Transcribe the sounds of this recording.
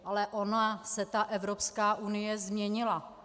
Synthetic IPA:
ʔalɛʔo̞nasɛt̪aʔɛvɾo̞pskaːʔunɪjɛzmɲɛɲɪla

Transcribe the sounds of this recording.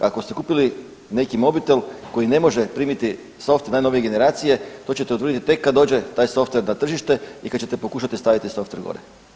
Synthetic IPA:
ako̞st̪e̞kuːpili | ne̞kimo̞bit̪elko̞jine̞mo̞ʒe̞pɾiːmit̪i | so̞ft̪naːjno̞ʋije̞ɡe̞ne̞ɾaːt̪sijet̪ot͡ɕe̞t̪eot̪ʋɾrd̪it̪it̪ekːad̪o̞ːd͡ʑe̞t̪aːjso̞ft̪ʋe̞ɾnat̪r̩ʒiʃt̪e̞ikad̪̚t͡ɕe̞t̪e̞po̞kuːʃat̪ist̪aʋit̪iso̞ft̪eɾɡo̰ɾe

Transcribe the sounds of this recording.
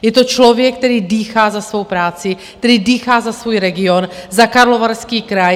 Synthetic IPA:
jɛt̪ot͡ʃlovjɛk̚t̪ɛɾiːdiːxaːzasvo̞wpɾaːt͡sɪk̚t̪ɛɾiːdiːxaːzasvuːjɾɛɡɪonzakaɾlovaɾskiːkɾaj

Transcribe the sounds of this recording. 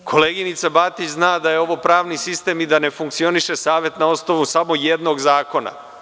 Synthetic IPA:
kʰo̞le̞ːɡinit̪sabat̪iznaːd̪aje̞o̞ʋo̞pɾaːʋnisist̪e̞mid̪ane̞fuŋkt̪sio̞niʃe̞saːʋje̞t̪nao̞snoʋusamojed̪no̞ɡzaːko̞na̰

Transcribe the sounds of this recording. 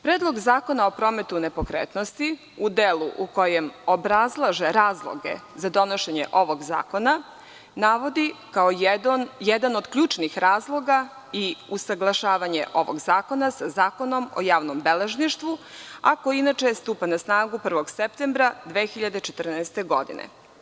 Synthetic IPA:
pɾeːd̪lˠo̞ɡzaːko̞nao̞pɾoːmet̪unepo̞kɾeːt̪nost̪i | ud̪eluʔuko̞jemo̞bɾazlˠaʒeɾaːzlˠo̰ɡe̞̰ | zad̪o̞no̞ʃeɲḛʔo̞ʋoɡza̰ːko̞na | naʋo̞d̪ikaojed̪ano̞d̪kʎuːt͡ʃnixɾaːzlˠo̞ɡa | iusaɡlˠaʃaːʋaɲḛʔo̞ʋo̰ɡzaːko̞nasazaːko̞no̞mo̰jaːʋnombeleʒniʃt̪ʋuakojinat͡ʃest̪uːpanasnaːɡupr̩ʋo̞ɡsep̚t̪embɾad̪ʋeːxiʎad̪et͡ʃet̪ərnɛːst̪e̞ɡo̞̰d̪ḭnḛ

